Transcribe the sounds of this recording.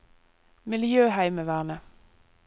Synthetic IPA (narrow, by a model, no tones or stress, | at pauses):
mɪljøːhæɪməʋæːʁnə